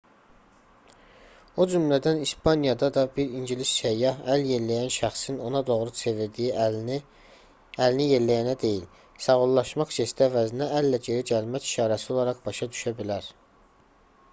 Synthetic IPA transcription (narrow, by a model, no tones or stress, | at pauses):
od͡ʒymlæd̪ænispɑnijɑd̪ɑd̪ɑbiɾinɟilisʃæjːɑhælje̞ɾlæjænʃæχsino̞nɑd̪o̞ʁɾut͡sʰeviɾd̪iji | ælinije̞ɾlæjænæd̪e̞jil | sɑʁolˠːɑʃmɑχsest̪æːvæzinæʔælːæd͡ʒe̞ɾiɟælmæci̥ʃɑːɾæsio̞lˠɑɾɑʁbɑʃɑd̪yʃæbilæɾ